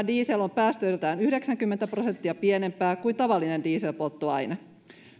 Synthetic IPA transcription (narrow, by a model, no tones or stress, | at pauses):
diːselo̞mpæːst̪øjlt̪æːnyhde̞ksæŋkymːent̪æprose̞nt̪ːiɑpie̞ne̞mpæːkuint̪ɑʋɑlːine̞ndiːselpot̪ːoɑjnɑ